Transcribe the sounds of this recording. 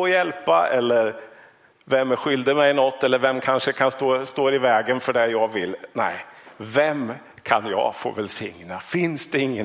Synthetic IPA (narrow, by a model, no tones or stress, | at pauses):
jɛlpa̰ɛlːəɾ | vɛmːɧʏld̪əmɛjnɔt̪ʰːɛlːəɾvɛmkʰanʂəkʰanst̪oːst̪oːɾɪvɛːɡənfœɖɛjɑɡvɪlːnɛɪvɛm | kʰanjɑ̰fo̰ːvɛlsɪŋnafɪnsd̪ɛɪŋːə